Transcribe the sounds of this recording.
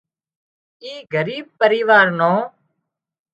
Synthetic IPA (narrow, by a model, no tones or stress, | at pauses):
iːɡəɾiːb̚pəɾiːʋaːɾnõː